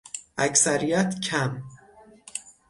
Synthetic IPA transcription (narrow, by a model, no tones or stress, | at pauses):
ʔæcsæɾijæt̪cʰæm